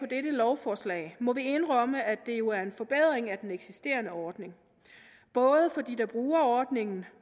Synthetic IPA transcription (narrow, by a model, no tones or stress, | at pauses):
ɒ̽d̥eɾəlɒʊfɒːslɛ̰ːɪmɒ̽ʋie̝nʁɶməʔæd̥e̝jo̝æɐe̝nfɒ̽b̥eð̞̰ˠʁeŋæd̥eneɡ̥sisd̥e̝̰ːɐnəɒːd̥ne̝ŋ | b̥ɔ̽ːð̞ˠəfɒ̽d̥ḭːd̥ɑ̈b̥ʁuːɐɒːd̥ne̝ŋn̩